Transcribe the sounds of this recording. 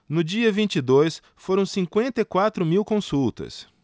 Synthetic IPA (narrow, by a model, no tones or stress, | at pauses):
nʊd͡ʒiɐvĩnt͡ʃid̪ojs | foɾɐ̃w̃sĩŋkwẽnt̪ɐikwat̪ɾʊmiwkõsuwt̪ɐ̰s